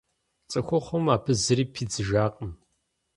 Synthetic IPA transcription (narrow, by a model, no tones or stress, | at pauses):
t͡sʼɐxʷɔχʷɔmaːpʰɨzɨɾiːpʰiːd͡zɨʒaːqʼəm